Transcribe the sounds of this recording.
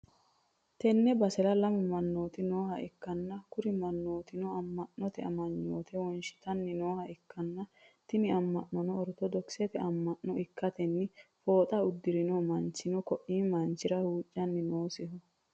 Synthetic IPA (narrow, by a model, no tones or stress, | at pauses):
t̪ɛnːɛbɐsɛɾɐlɐmʊmɐnːo̞ːt̪ɪno̞ːhɐɪkːɐnːɐkʊɾɪmɐnːoːt̪ɪnɔɐmːɐnːɔt̪ɛɐ̰mɐɲːoːt̪ʰɛwɔnʃɪ̥t̪ɐnːɪnoːhɐɪkːɐnːɐt̪ɪnɪɐmːɐʔːɔnɔːɾɔt̪ɔd̪ɔksɛt̪ɛʔɐmːɐnːɔɪkːɐt̪ɛnːɪfo̞ːt̪ʼɐʊd̪ːɪɾɪnoːmɐnt͡ʃːɪnɔkɔʔiːmɐnt͡ʃːɪɾɐhuːt͡ʃʼːɐnːɪnoːsɪhɔ